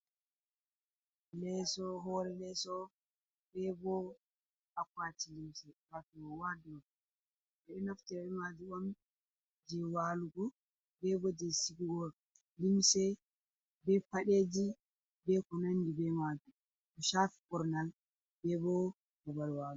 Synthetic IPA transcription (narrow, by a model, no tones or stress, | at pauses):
lɛsɔɦɔɾɛlɛsɔ | bɛbɔ | akwatilimsɛwatɔwadɔ | ɛɗɔnaftɛɛmad͡ʒuɔn | d͡ʒɛwaluɡɔ | bɛbɔd͡ʒɛsiɡuɡɔ | limsɛ | bɛpaɗed͡ʒi | bɛkɔnanːdibɛmad͡ʒu | ɔʃafi̥kɔɾnal | bɛbɔ | ɡɔbalwalu